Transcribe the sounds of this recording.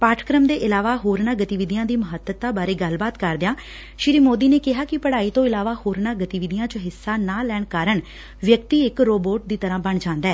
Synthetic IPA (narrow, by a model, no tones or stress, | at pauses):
paːʈʰkɾəmd̪eːʔɪlaːʋaːɦoːɾnãːɡət̪iːʋɪd̪ijãːd̪iːməɦət̪ːət̪aːbaːɾeːɡəlbaːt̪kəɾd̪ejãː | ʃɪɾiːmoːd̪iːneːkɪɦaːkɪpəɽaːiːt̪õːɪlaːʋaːhoːɾnaːɡət̪iːʋɪd̪ɪjãːt͡ʃəɦɪsːaːnaːlɛːɳkaːɾəɳ | ʋjəkt̪iːɪkɾoːboːʈ̚d̪iːt̪əɾãːbəɳd͡ʒãːnd̪aɛː